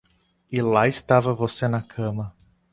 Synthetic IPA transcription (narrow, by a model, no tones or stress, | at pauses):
ilaɪst̪avɐvosenɐkʰɐ̃mɐ